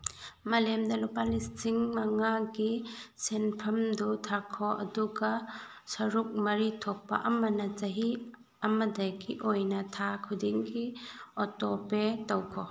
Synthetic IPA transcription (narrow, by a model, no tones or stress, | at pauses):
mɐlemdɐlupalistʰiŋmaŋaɡisenpʰɐmdutʰakʰɔʔɐ̰duɡasɐɾuk̚mɐɾitʰɔk̚pa̰ʔɐmɐnɐt͡ʃɐɦi | ɐmɐdajkiʔojnɐtʰakʰudiŋɡiɔtɔpetɐwkʰɔ